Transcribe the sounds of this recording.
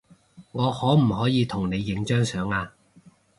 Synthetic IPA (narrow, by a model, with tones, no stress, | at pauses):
ŋɔː˨˧hɔː˨˥m̩˨˩ɦɔː˨˥jiː˨˧t̪ʰʊ˨˩ŋne˨˧jːɪ˨˥ŋt͡ʃœː˥ŋsœː˨˥ŋaː˧